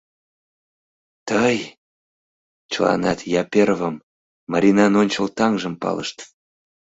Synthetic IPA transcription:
t̪əj | t͡ɕəlɑ̰nɑt̪jɑpʲeɾvəmː | ɑɾʲinɑnonʲt͡ɕəlt̪ɑŋʒə̆mpɑ̰lə̰ʃt̪

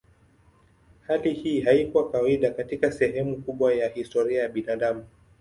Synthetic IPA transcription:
halihiːhaikuwakawaiɗakatikasɛɦɛmukuɓwajahistɔɾiajaɓinaːɗamu

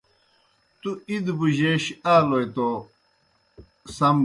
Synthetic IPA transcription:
t̪uid̪buʑeɕaːlojt̪o | sɐm

